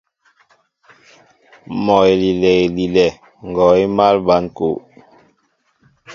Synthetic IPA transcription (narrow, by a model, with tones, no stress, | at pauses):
mɔ˨e˨li˨lɛ˨ɣe˨li˨lɛ˨ | ŋ˨ɡɔ˨i˦ma˦lba˨˦nko˨ʔ